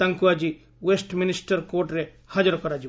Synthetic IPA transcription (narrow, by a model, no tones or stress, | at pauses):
t̪ɐ̃ŋkuad͡ʒi | wesʈminɪsʈəɾkoːʈɾe | had͡ʒəɾkɔɾad͡ʒi